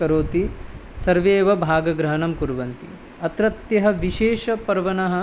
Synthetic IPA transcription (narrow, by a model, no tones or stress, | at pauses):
ɐɾoːt̪isɐɾʋeːʋɐbʱaːɡɐɡɾɐɦɐnɐmkuɾʋɐnt̪ḭ | ɐt̪ɾɐt̪jɐɦɐʋiʃeːʃɐpɐɾʋɐnɐɦɐ̆